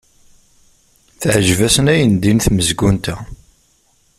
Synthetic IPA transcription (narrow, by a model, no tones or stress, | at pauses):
θʕʒvæsənæjənd̪inθməzɡunt̪æ